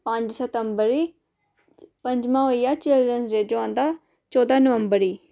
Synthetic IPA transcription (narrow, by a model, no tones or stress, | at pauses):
pə̃ɲd͡ʒsət̪əmbəɾiː | pəɲd͡ʒmãːɦoːiːjaːt͡ʃeləɾənsɾeːd͡ʒoãːnd̪aː | t͡ʃɔːd̪aːnəʋəmbəɾiː